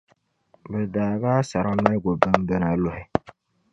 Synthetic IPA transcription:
bɨ˨daː˨baː˦sa˨ɾa˦ma˦ɡo˨bɨ˦m˦bɛ˦na˨lʊ˦hɪ˦

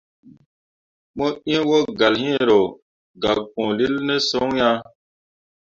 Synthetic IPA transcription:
mõ˦ĩ˦wo˦ɡa˨lɦĩ˦e˨ɾo˨ | ɡa˨k͡põ˨li˦lnɛ˦sõ˦ŋ˦ja˦

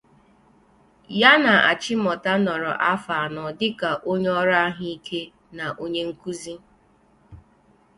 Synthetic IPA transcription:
ja˦na˨a̰˨t͡ʃɪ˦mɔ˨ta˦nɔ˨ɾɔ˨ʔa˦fa˨nɔ˨dɪ˦ka˨ʔo˦ɲ˦ɔ˦ɾa˦ɦi˦i˦kʰe˦ | na˨ʔo˦ɲe˦ŋ̩˦ku˦zi˦

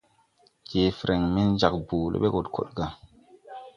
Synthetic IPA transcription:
keː˨fɾe˨ŋmi˦nd͡ʒa˨k̚buː˨lo̰˦ɓe˦ɡo˨tkʰo̰˨ɗɡa˦

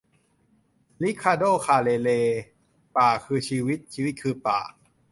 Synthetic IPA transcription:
li˦˥kʰːaː˧doː˥˩kʰaː˧˩leː˧leː˧ | paː˨˩kʰɯː˧t͡ɕʰiː˧wi˦˥t̪̚t͡ɕʰiː˧i˦˥t̪̚kʰɯː˧pa̰ː˨˩

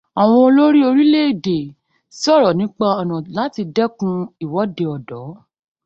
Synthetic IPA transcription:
a˨w̃ɔ̃˧o˧lo˦ɾi˦o˧ɾi˦le˦i˨de˨ | ssɔ˦˨ɾɔ˨nĩ˨˦k͡pa˧ɔ˨nɔ̃˨la˨˦ti˧dɛ˦kũ˧i˦˨wɔ˨˦de˧ɔ˨dɔ˨˦

